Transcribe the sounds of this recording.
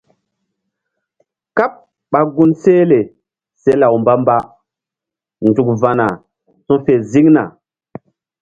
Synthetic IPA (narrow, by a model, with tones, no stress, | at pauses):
ka˦p̚ | ɓa˨ɡu˦nse˦le˨ | se˦la˨wmba˦mba˦ | ndu˨k̚va˨na˨ | sũ˦fe˨zi˦ŋna̰˨